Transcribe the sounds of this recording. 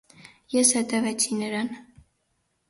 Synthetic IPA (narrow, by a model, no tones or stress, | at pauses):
jɛshɛt̪ɛvɛt͡sʰinəɾɑn